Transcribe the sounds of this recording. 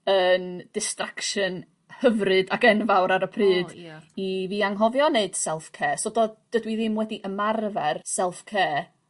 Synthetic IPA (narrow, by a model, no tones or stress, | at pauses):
ənd̥ɪstrakʃən | həvrɨdaɡɛnvawɾaɾəpʰrɨːdiviːaŋɦɔvjɔneɨd̥sɛlˠfkʰeːsɔdɔd̥ədwiðɪmwɛdiʔəmarvɛrsɛlˠfkʰeː